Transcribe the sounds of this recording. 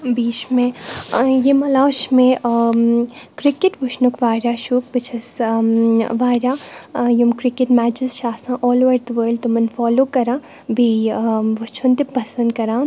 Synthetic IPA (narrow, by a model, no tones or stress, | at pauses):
biːt͡ʃmẽ | jemɐlaːʃmẽ | kɾɪkɪʈʋʊʃnukʋaːɾaːʃuːk̚bɪt͡ʃʰɐs | ʋaːɾaːjumkɾɪkɪʈmæːd͡ʒɪzʃaːsãʔɔːlʋɐɾd̪əʋəːɾlɖt̪omɐnfɔːloːkɐɾãː | bʱiʋʊt͡ʃʰunt̪epɐsɐ̃nd̪̚kɐɾãː